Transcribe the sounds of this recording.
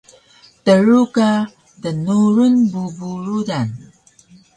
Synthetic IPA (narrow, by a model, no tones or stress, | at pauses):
təɾuka | dənuɾunbubuɾudan